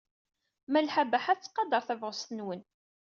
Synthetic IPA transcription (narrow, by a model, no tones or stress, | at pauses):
mælħabæħaθt͡sːqɑd̪əɾˤθævʁəst̪ənwən